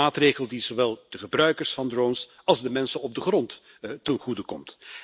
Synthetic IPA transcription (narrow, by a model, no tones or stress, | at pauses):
aːtrejɣəlˠdizoʋɛlˠd̥əχəbrœɥkəɹsfɑndrowns | ɑlˠzdəmɛnsənɔb̚dəχrɔnt | tənχudəkɔmt